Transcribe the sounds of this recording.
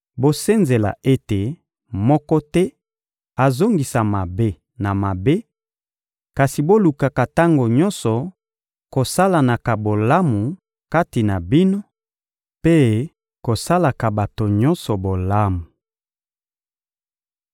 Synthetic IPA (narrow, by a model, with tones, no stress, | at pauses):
bo˦se˦nze˨la̰˨ʔe˦te˨ | mɔ˦kɔ˦tɛ˦ | a˨zo˦ŋɡi˨sa˨ma˨be˦ | na˨ma˨be˦ | ka˨si˨bo˦lu˨ka˨ka˨ta˦ŋɡo˨ɲɔ˦nsɔ˨ | ko˨sa˦la˨na˨ka˨bo˨la˦mu˨ | ka˦ti˨na˨bi˦no˦ | pe˦ | ko˨sa˦la˨ka˨ba˨to˨ɲɔ˦nsɔ˨bo˨la˦mu˨